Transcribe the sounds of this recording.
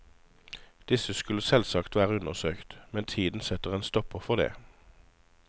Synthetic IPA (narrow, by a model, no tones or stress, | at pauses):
d̪̥ɪsəskʉləsɛlsɑkt̪ʋæːʁəʉnəʁsøːkt̪mɛnt̪ʰiːd̪n̩sɛt̪əʁeːnst̪ɔpəʁfɔʁd̪ḛː